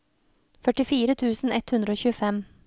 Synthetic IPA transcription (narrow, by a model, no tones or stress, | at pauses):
fœʈɪfiːɾət̪ʰʉːsn̩ɛt̪hʉnɾəoːçʉːəfɛm